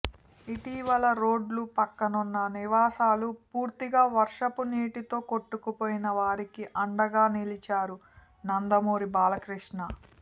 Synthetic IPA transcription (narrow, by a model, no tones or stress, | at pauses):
iʈiʋɐlɐɾoːɖlupɐkːɐnunːɐniʋaːsaːlupuːɾt̪iɡaːʋɐɾʂɐpuniːʈit̪o̞ːko̞ʈːukupoːjinɐʋaːɾikiʔɐɳɖɐɡaːnilit͡ʃaːɾu | nɐnd̪ɐmoːɾibaːlɐkɾiʂɳɐ